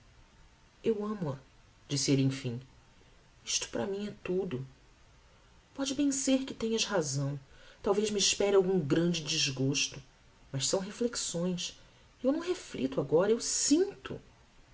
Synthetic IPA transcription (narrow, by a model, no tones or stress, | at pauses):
ewɐ̃mʊɐ | d͡ʒisɪelẽj̃fĩ | iʃt̪ʊ̥pɾɐmĩɛt̪ud̪ʊ | pɔd͡ʒɪbẽj̃seɾkɪt̪ẽɲɐshazɐ̃w̃t̪awvezmiːʃpɛɾɪawɡũŋɡɾɐ̃d͡ʒɪd͡ʒɪzɡoʃt̪ʊ | mɐʃsɐ̃w̃ɦefleksõj̃s | ewnɐ̃w̃ɦeflit̪ʊaɡɔɾɐewsĩnt̪ʊ̰